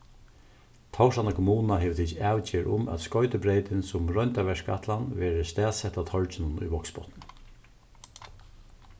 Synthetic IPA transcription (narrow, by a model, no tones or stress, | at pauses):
t̪ʰawʂanakʰɔmuːnnaɦeːʋt̪ʰit͡ʃaːwt͡ɕɪːɾʔʊ̰mæ̰t̪skɔʏt̪əpɾeɪt̪ɪnsʊmɹɔjnt̪aʋɛʂka̰ht̪lanʋɛːɾəst̪æːsɛht̪at̪ʰɔɹt͡ʃɪnʊnṵjbɔksbɔ̰t̪nɪ